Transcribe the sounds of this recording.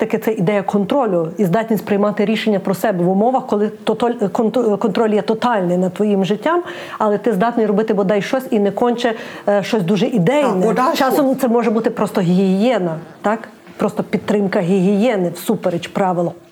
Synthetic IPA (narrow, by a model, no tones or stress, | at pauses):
ɛt̪ɐkɪt̪sɛʔid̪ɛjɐkʰɔnt̪ɾɔlʲʊizd̪ɑt̪ʲnʲisʲtʲpɾɪjmɑt̪ɪɾʲiʃenʲːɐpɾɔsɛbɛʋʊmɔʋɐxkɔlˠɪt̪ɔt̪ɔlʲkɔnt̪kɔnt̪ɾɔlʲjɛt̪ɔt̪ɑlʲnɪjnɐt̪ʋɔjimʒɪtʲːɑm | ɐlˠɛt̪ɪzd̪ɑt̪ʲnʲɔjɾɔbɪt̪ɪbɔd̪ɑjʃt͡ʃɔsʲinɛkɔnʲt͡ʃɛʃt͡ʃɔsʲd̪uʒɛʔid̪ɛjnɛt͡ʃɑsɔmt̪sɛmɔʒɛbut̪ɪpɾɔst̪ɔɦʲiɦiɦijɛnɐt̪ɑk | pɾɔst̪ɔpʲid̪t̪ːɾɪmkɐɦʲiɦijɛnɪwsupeɾet͡ʃpɾɑʋɪlˠɔ